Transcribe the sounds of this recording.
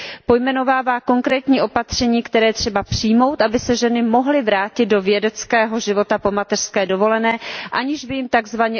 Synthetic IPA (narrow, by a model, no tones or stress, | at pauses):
po̞jmɛno̞vaːvaːko̞ŋkɾɛːt̪ɲiːʔo̞pat̪r̝̥ɛɲiːkt̪ɛɾɛːjɛt̪r̝̥ɛbapr̥ijmo̞wt̪ʔabɪsɛʒɛnɪmo̞ɦlɪvɾaːcɪd̪̚do̞vjɛdɛt͡skɛːɦo̞ʒɪvo̞t̪apo̞mat̪ɛr̥skɛːdo̞vo̞lɛnɛːʔaɲɪʒbɪjɪmt̪aɡzvaɲɛ